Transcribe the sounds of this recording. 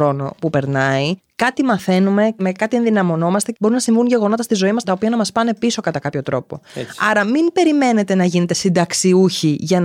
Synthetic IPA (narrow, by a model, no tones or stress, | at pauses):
ɾo̞no̞̰pupe̞ɾnɐi | kɐt̪imɐθe̞nume̞me̞kɐt̪ienðinɐmo̞no̞mɐst̪e̞bo̞ɾunɐsiɱvuɲʝe̞ɣo̞no̞t̪ɐst̪izo̞imɐst̪ɐopiɐnɐmɐspɐne̞piso̞kɐt̪ɐkɐpço̞t̪ɾo̞po̞̰ɐɾɐmimb̥e̞ɾime̞ne̞t̪e̞nɐʝine̞t̪e̞sind̪ɐksiuçiʝɐn